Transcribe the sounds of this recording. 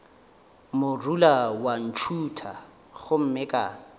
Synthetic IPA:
mʊrulawan̩t͡ʃʰutʰa | ɣʊm̩mɪkʼa̰ː

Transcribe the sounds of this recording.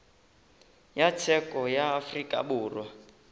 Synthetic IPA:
jat͡sʰɛkʼɔjaːfrikʼa̰buːrwa

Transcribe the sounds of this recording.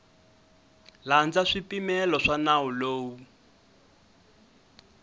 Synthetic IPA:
land͡zaʂipimɛlɔʂanauloːwu

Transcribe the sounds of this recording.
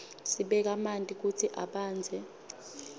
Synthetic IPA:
siɓɛk̬amantʼik̬utʰiʔaɓaːnd͡zʱɛ

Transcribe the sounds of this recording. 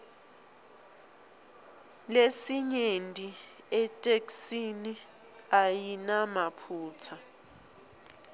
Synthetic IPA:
lesiɲentʼiɛtʼeksini | ajinamapʰuːt͡sʰa

